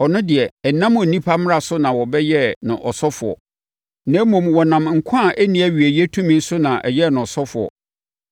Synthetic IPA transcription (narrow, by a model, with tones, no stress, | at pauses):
ɔ˨nʊ̃˦dɪ˨ɛ˨ɛ˨nã˦mɔ˨nĩ˦pʰa˦m̃˦a˨sʊ˦nã˨wɔ˨bɛ˦jɛ˦nʊ̃˨ʔɔ˨sɔ˦fʊ˨ɔ̰˨ | nã˨˦mɔ̃˨mwɔ˨nã˨m˨ŋ̩˨kʷʰã˦˨ʔæ˦nĩ˦æ˦ɥi˨ɛ˨jɛ˦tʰũ˦mĩ˦n̩˦sʊ˦nã˨ʔɛ̰˨jɛ˦˨nʊ̃˨sɔ˦fʊ˨ɔ̰˨